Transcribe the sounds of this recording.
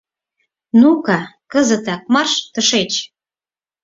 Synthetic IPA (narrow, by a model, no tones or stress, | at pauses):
nukɑkəzə̆t̪ɑk̚mɑrʃt̪əʃet͡ɕ